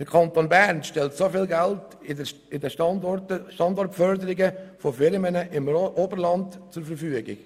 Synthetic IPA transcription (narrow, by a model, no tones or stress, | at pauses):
əkʰɑnt̪oːnbæɾnʃtɛltsofɪːlɡælt | ɪdəʃɑɔtəʃtɑndɔrtfœɾd̪əɾɪɡəfofɪɾmənəʔɪmʔobəɾlɑndt͡sʊɾfəɾfyəɡɪ̰ɡ̥